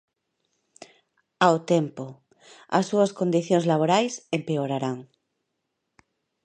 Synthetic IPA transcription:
awt̪empo | a̰sːuaskond̪iθjoŋzlaβ̞oɾajsempeoɾaɾaŋ

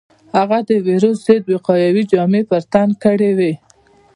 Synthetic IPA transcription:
haɣad̪əwiɾosz̥ed̪wɪqɑjawid͡ʒɑmepəɾt̪ankəɽewe

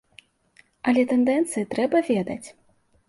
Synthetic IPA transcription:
ɐlʲɛt̪ɛnd̪ɛnt̪sɨjit̪ɾɛbɐvʲɛd̪ɐt͡sʲ

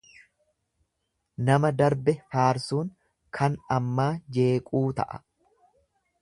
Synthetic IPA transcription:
nɐmɐd̪ɐɾbɛfaːɾsuːŋ | kʰɐnɐmːaːd͡ʒe̞ːkʼuːt̪ɐ̰ʔɐ̥̰

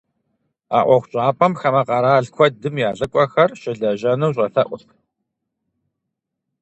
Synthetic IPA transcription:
a̰ːʔʷɔxʷt͡ʃʼaːpʰʼɐmxɐmɐqɑɾaːɮkʷʰɔdɨmjaːɮɐkʷʼɔxɐrʃɪɮɐʒɐnɐwɕ̬ʼɐfɐʔʷʊx

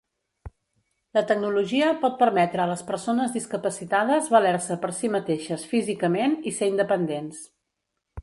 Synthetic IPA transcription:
lət̪əɡ̚nuluʒiəpɔt̪̚pəɾmɛt̪ɾəːləspəɾsonəzðiskəpəsit̪aðəzβəlɛɾsəpəɾsimət̪eʃəsfizikəmeniseind̪əpənd̪ens

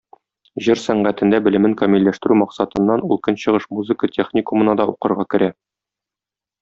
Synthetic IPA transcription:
ʑɘɾsæɴʁæt̪ɘ̆nd̪æbɘ̆lɘ̆mɘŋkɐmilːæʃt̪ɘ̆ɾʉmɒqsɑt̪ɤ̆nːɑnulˠkɤnɕɤ̆ʁɤʃmuzɘ̆kətʲʰeχnʲikumɤ̆nɑd̪ɒʔuqɤ̆ɾʁɑkɘ̆ɾʔæ

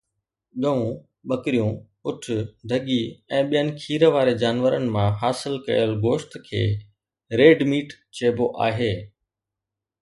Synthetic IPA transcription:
ɠɐʋũ | ɓɐkɾijũ | ʊʈʰʊd̪ʱɐɠiɛ̃ːɓijənɪ̆kʰiːɾʋaːɾed͡ʑaːnʋəɾənɪ̆mãɦaːsɪlkɐ̰jəlɡoːʃt̪kʰḛː | ɾeːɖmiːʈ | t͡ɕeːboʔa̰ːɦeː

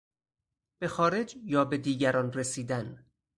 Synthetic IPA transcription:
b̥e̞xɒːɾe̞d͡ʒjɒːbe̞d̪iːɟæɾɒːnresiːd̪æn

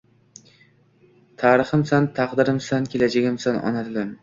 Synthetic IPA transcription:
t̪ʰɑːɾɨχɨmsant̪ʰɑqd̪ɨɾɪmsankʲʰelad͡ʒaɡʲɪmsanɒ̰nat̪ʰɨlɪm

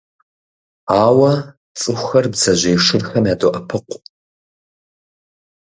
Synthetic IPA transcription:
aːwɐ | t͡sʼɨxʷxɐrbzɐʑeːʂɨrxɐmjaːdoʔɐpʰɨqʷ

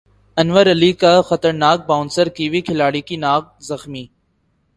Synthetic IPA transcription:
ɐnʋəɾɐliːkaxət̪əɾnaːk̚baːnsəɾkiːʋikʰɪlaːɽikinaːk̚zɐxmiː

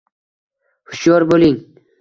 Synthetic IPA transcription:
hʊ̥ʃjɒɾbolɪŋ

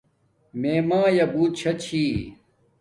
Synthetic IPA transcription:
meːmãːjɐbuːt͡ɕʰɐt͡ɕʰiː

